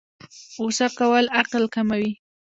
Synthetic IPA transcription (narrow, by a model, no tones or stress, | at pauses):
osakawəlaqlkamawi